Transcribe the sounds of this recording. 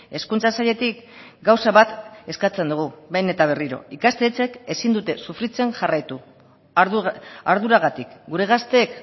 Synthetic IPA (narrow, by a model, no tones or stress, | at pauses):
e̞skunt͡sasaʎe̞t̪ik | ɡawsaβat̪e̞skat͡se̞nd̪uɣ̞uβejne̞t̪aβ̞e̞riɾo̞̰ikast̪et͡se̞ke̞sind̪ut̪e̞sufɾit͡se̞nʝarajt̪u | aɾðuɾaɣ̞at̪ikɡuɾe̞ɣ̞ast̪e̞ːk